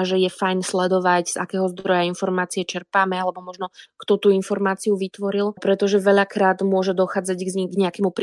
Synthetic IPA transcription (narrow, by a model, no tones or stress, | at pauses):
ʒɛjɛfajnslɛd̪ɔʋacz̥a̰kɛːɦɔzd̪ɾɔjainfɔɾmaːt͡siɛt͡ʃɛɾpaːmɛalɛbɔmɔʒnɔkt̪ɔt̪uːinfɔɾmaːt͡siuʋit̪ʋɔɾilpɾɛt̪ɔʒɛʋɛʎakɾaːd̪mʊɔʒɛd̪ɔxaːd͡zaɟɡɡɲɛakɛmupɾ